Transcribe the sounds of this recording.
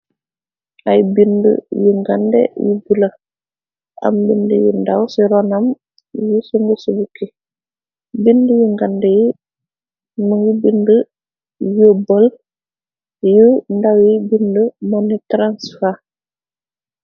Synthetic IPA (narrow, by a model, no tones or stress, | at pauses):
ʔajbində̰juŋɡandɛ̰jubulɐ | ʔɐ̰mbindəjṵndawsiɾɔnɐm | jisuŋɡəsubuki | bindəjuŋɡandɛji | nuŋjubində | jobəl | jəndawjibindəmɔnːitɾansfa